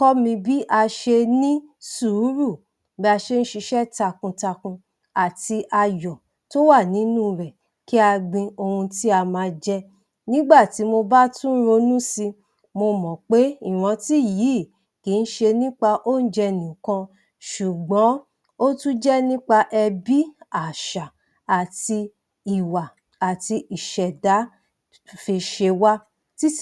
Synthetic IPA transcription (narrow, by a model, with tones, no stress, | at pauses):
kɔ˦mĩ˧bi˦ʔa˧ʃe˧nĩ˦su˨˦ɾu˦˨ | bɛ˧˦a˧ʃe˧˦˧n̩˦ʃi˧ʃɛ˦ta˧kũ˧ta˧kũ˧ | a˨ti˧ʔa˧jɔ˨ | to˦wa˦˨nĩ˨˦nũ˦ɾɛ˨ | ki˦a˧ɡ͡bĩ˧o˧hũ˧ti˦a˧mãː˧d͡ʒɛ˦ | nĩ˦ɡ͡ba˦˨ti˨˦mo˧ba˦tũ˦n̩˦ɾo˧nũ˦si˧ | mo˧mɔ̃˨k͡pe˨˦i˦˨w̃ɔ̃˧ti˦˨jiː˨˦˨ | ki˨˦n̩˦ʃe˧nĩ˦k͡pa˧ʔo˦n̩˦d͡ʒɛ˧nĩ˨kã˧ | ʃu˨ɡ͡bɔ̃˨˦ | o˦tũ˦d͡ʒɛ˦nĩ˦k͡pa˧ʔɛ˧bi˦a˨ʃa˨ | a˨ti˧ | i˨wa˨ | a˨ti˧i˨ʃɛ˨da˨˦ | fe˧ʃe˧wa˦ | ti˦